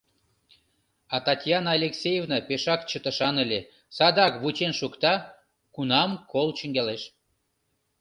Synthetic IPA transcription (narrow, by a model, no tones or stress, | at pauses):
ɑt̪ɑtʲjɑnɑlʲeksʲejevnɑpeʃɑkt͡ɕət̪ə̆ʃɑnəlʲe | sɑd̪ɑkβut͡ɕenʃukt̪ɑ | kunɑmkolt͡ɕə̆ŋɡæleʃ